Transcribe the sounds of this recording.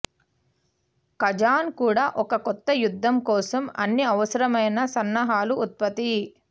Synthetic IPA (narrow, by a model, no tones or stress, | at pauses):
kɐd͡ʒaːnkuːɽaːʔɔkɐkɔt̪ːɐjud̪ʱːɐmkɔːsɐmɐ̰nːiɐʋɐsɐɾɐmɐjnɐsɐnːɐɦaːluʔːt̪̚pɐt̪i